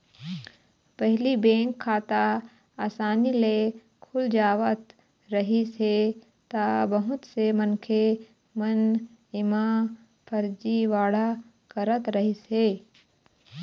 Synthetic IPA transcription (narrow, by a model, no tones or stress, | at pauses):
pɐɦlibẽːŋkʰːaːt̪a | aːsaːnile | kʰʊld͡ʒaːʋət̪ | ɾəɦise | t̪abɐɦʊt̪semənkʰe | mən | ɪmã | pʰəɾd͡ʒiʋaːɽa | kəɾət̪ɾɐɦiseː